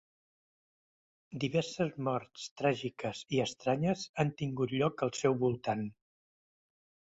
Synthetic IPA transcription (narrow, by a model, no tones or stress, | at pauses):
d̪iβɛɾsəzmɔɾt̪st̪ɾaʒikəziəst̪ɾaɲəzant̪iŋɡut̪ʎɔkəlˠsɛwβulˠt̪an